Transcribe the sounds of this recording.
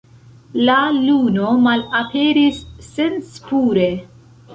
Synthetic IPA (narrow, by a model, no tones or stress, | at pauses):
lalunomalapʰe̞ɾisːe̞nspuɾe̞